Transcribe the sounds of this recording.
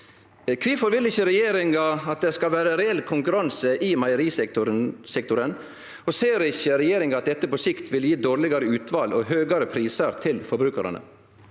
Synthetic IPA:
kʰʋiːfɔɾʋɪlɪçːəɾɛjeːɾɪŋɑɑt̪̚d̪ɛskɑlʋæːɾəɾɛɛlːkʰʊŋkʉɾɑnsəʔiːmɑɪəɾiːs | sɛkt̪ʊɾən | ɔseːɾɪçəɾɛjeːɾɪŋɑɑt̪̚d̪ɛt̪ːəpɔsɪkt̪ʰʋɪljiːd̪oːɾlɪɡɑɾəʉːt̪ʰʋɑːlɔːɦøːɡɑɾəpʰɾiːsəɾt̪ʰɪlfɔɾbɾʉːkɑɾɑ̰nə̰

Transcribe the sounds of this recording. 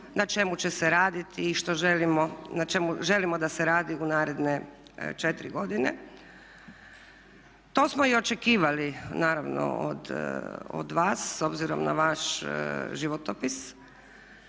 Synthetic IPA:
nat͡ʃe̞mut͡ɕeseɾaːd̪it̪iːʃt̪o̞ʒelimonat͡ʃe̞muʒe̞limod̪aseɾaːd̪iunaːɾe̞d̪ne | t͡ʃet̪ɾḭɡo̞d̪inḛ | t̪o̞ːsmoiot͡ʃekiːʋalinaːɾaʋno̰o̰d̪o̰d̪ʋaːsːo̞bziɾo̞̰mna̰ʋaʃ | ʒiʋot̪opis

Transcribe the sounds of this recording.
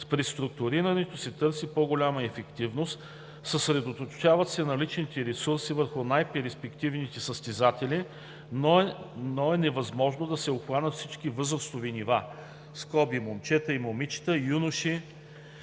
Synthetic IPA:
spɾist̪ɾʊk̚t̪ʊɾiɾɐnɛt̪osɛt̪ɤɾsipoɡolʲamɐɛfɛkt̪ivnost̪ | səsɾɛd̪ot̪ot̪ʊt͡ʃavɐt̪sɛnɐlit͡ʃnit̪ɛɾɛsuɾsivəɾxʊnajpɛɾispɛkt̪ivnit̪ɛsəst̪ɛzat̪ɛli | nonoɛnɛvɐzmɔʒnod̪ɐsɛoxvanət̪fsit͡ʃk̟ivɤzɾəst̪oviniva | skɔbimomt͡ʃɛt̪əimomit͡ʃi̥t̪əjunʊʃi

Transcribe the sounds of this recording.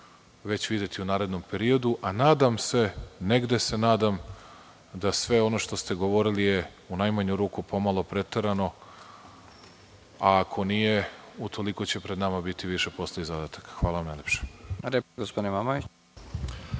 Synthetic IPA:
ʋe̞t͡ɕʋid̪je̞t̪iunaːɾe̞d̪nompe̞ɾio̞d̪uʔanaːd̪amse̞ne̞ɡd̪e̞se̞naːd̪am | d̪asʋe̞o̞noʃt̪o̞st̪e̞ɡo̞ʋo̞ɾilije | unajmaɲuɾuːkupo̞malˠo̞pɾe̞t̪eɾano̞ | akʰo̞nije̞ut̪ʰo̞liko̞t͡ɕe̞pɾe̞d̪namabit̪iʋiʃe̞po̞sleizad̪at̪ḁkxʋaːlˠaʋamnajlʲepʃe̥leɡospod̪inimamaʋit͡ɕ

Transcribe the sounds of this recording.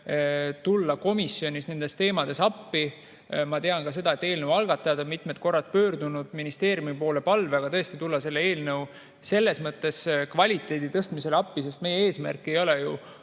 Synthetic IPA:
t̪ulːɑko̞misjo̞nʲisne̞nd̪̥e̞st̪e̞ːmɑd̪̥e̞sɑpːi | mɑt̪e̞ɑnkɑs̬e̞d̪ɑe̞t̪ːe̞ːlnəwɑlɡ̥ɑt̪ːˑɑjɑd̪o̞nmit̪met̪̚ko̞rːɑt̪̚pø̞ːrd̪unud̪̥minist̪eːɾjumipo̞ːle̞pɑlveɑɡɑt̪ɤ̞e̞st̪it̪ulːɑse̞lːee̞ːlnɤw | se̞lːe̞smɤt̪ːˑe̞skvɑlʲit̪ːˑe̞ːd̪it̪ɤst̪mise̞lɑpːise̞st̪me̞jee̞ːsmæ̰rkːˑie̞jo̞leju

